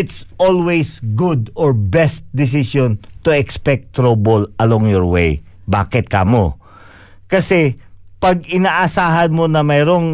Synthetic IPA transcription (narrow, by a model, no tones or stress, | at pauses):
ɪt̪sʔolwejsɡʊd̪ɔɹbɛst̪̚d̪ɪs̬iʃõnt̪ʊɛkspɛk̚t̪ɾobolɐloŋjɔɹwḛj | ba̰ːkɪt̪̚ka̰mo | kɐsɛpɐɡ̚ɪnaːʔɐsaːɦɐnmonɐmɛːɾoŋ